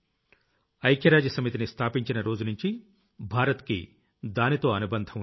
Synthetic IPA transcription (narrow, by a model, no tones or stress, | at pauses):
ɐjkjɐɾaːd͡ʒɐsɐmit̪inist̪ʰaːpiɲt͡ʃinɐɾo̞ːd͡ʒunuɲt͡ʃi | bʱaːɾɐt̪kḭ | d̪aːnit̪o̞ːɐnubɐnd̪ʱɐm